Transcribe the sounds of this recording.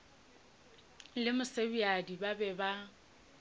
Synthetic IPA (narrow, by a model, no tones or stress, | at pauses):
lɪmʊsebiadibabɛba